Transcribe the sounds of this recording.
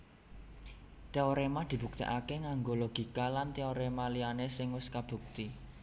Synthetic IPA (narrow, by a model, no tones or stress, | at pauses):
t̪eoɾemad̪̥i̤bṳk̚t̪ḭʔakeŋaŋɡoloɡ̥i̤kalant̪eoɾemalianesɪŋwɪskab̥ṳk̚t̪i